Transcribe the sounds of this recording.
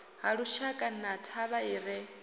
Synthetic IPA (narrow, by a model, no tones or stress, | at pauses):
ɦaɺuʃakʼanatʰaβaiːɾɛ